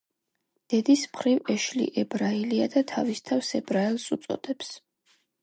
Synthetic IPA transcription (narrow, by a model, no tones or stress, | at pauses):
d̪̥ɛd̪ismχɾivɛʃlḭʔɛbɾailiad̪at̪ʰavist̪ʰafsɛbɾaɛlˠsut̪sʼɔ̰d̪̥ɛps